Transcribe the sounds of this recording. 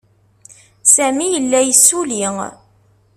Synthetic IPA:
sæmijəlːæjəsːuliŋ

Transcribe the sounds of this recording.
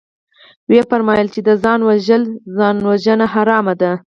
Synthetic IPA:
wepaɾmɑjəlt͡ʃed̪əzɑnwaʒəlzɑnwaʒənaɦaɾɑmad̪a

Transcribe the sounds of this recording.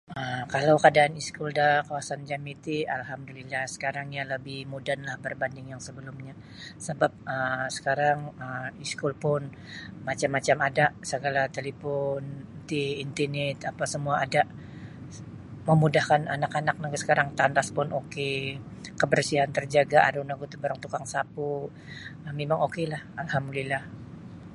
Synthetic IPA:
əmkalawkadaːniskʊldakawasand͡ʒamit̪ialhamdulilahsə̥kaɾaŋɲaləbɪhmudanlahbərbandɪŋjaŋsəbəlumɲa | səbap̚əsə̥kaɾaŋəmiskʊlpʊn | mat͡ʃamːat͡ʃamadaʔsəɡalat̪elepɔnt̪iːnt̪inɛt̪apasəmuaʔːdaʔ | məmudahkananakanak̚naɡasə̥kaɾaŋt̪and̪aspʊnʔoke | kəbərsiɦant̪ərd͡ʒaɡaʔa̰dunaɡut̪ubaɾaŋt̪ukaŋsapu | əmemaŋokelahalhamdulilah

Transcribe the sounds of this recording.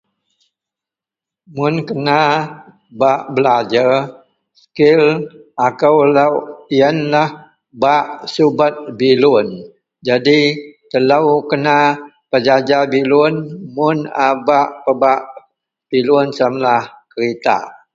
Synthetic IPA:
mʊnkəna | baʔbəlad͡ʒar | skɪlakəwlawiənlah | baʔsubat̪̚bilʊn | d͡ʒadit̪əlawkəna | pəd͡ʒad͡ʒabilʊnmʊnabaʔpəbaʔ | b̥ilʊnsamlahkəɾit̪a̰

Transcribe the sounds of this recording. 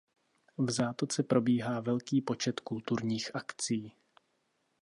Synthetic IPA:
vzaːt̪ot͡sɛpɾo̞biːɦaːvɛlkiːpo̞t͡ʃɛt̪kult̪uɾɲiːxʔakt͡siː

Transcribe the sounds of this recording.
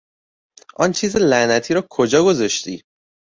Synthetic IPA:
ʔɒ̰nt͡ʃʰiːzelænæt̪ʰiːɾɒːkʰod͡ʒɒːɡozɒʃt̪ḭː

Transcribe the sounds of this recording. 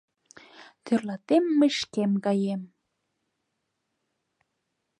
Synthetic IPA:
t̪ørlɑt̪emːə̆ʃkemkɑjem

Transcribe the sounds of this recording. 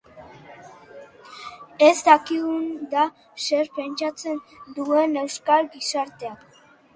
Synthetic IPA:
e̞zd̪akiɣund̪a | se̞ɾpe̞nt͡ʃat͡se̞nd̪ue̞ne̞wskalɡisaɾt̪e̞ak

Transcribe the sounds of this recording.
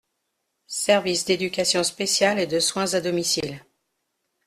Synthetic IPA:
sɛʁvisd̪ed̪ykʲasjɔ̃spesjaled̪əswɛ̃zad̪ɔmisil

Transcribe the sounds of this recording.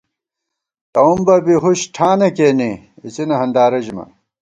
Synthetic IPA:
t̪ɐumbɐbiɦuɕʈʰaːnɐkeːni | it͡sinɐɦɐnd̪aːɾɐʑimɐ̰

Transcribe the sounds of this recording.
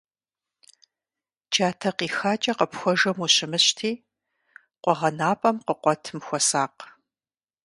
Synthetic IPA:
d͡ʒaːtʰɐqiːxaːt͡ʃʼɐqəpxʷɔʒɐmuɕɪmɨɕtʰiː | qʷɔʁɐnaːpʼɐmqəqʷɔtʰɨmxʷɔsaːq

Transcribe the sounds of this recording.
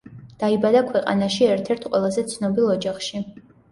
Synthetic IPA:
d̪̥aibad̪akʰwɛqʼa̰naʃiɛɾt̪ʰɛɾt̪ʰqʼwɛlˠazɛt̪sʰnɔbilˠɔd͡ʒaχʃi

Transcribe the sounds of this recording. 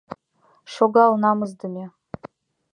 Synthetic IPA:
ʃoɡɑlnɑmɨzd̪ɨmʲe

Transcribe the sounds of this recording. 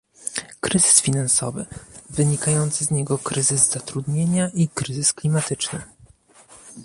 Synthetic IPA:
kɾɘzɘsfʲinansɔ̰vɘ̰vɘɲikajɔnt̪sɘzɲɛɡɔkɾɘzɘzz̥at̪ɾud̪ɲeɲaʔikɾɘzɘsklʲimat̪ɘt͡ʂnɘ̰

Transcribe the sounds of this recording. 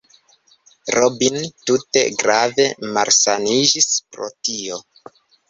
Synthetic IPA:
ɾʔobintute̞̰ɡɾave̞maɾsanid͡ʒispɾo̰tio̞

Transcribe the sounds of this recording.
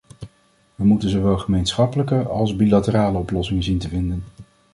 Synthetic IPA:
ʋəmutənzoʋɛlˠχəmejnsχɑpələkəɑlˠzbilatəraːləɔplɔsɪŋənzintəvɪndən

